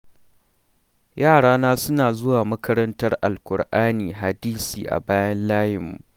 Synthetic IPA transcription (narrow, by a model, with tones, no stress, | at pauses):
jaː˦˨ɽaː˦naː˦sʊ˦naː˨zʊ˦waː˨mɐ˦kɐ˦ɾɐ˦ntɐ˦rʔa˨lkʷʊ˨rʔaː˦niː˨ɦa˨diː˦sḭː˨ʔa̰˨baː˦jɐ˦nlaː˦jɪ˨mːṵ˨